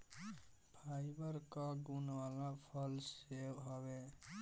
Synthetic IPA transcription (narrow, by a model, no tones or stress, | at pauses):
pʰaːjbəɾkaɡunwalapʰəlsewɦɔwe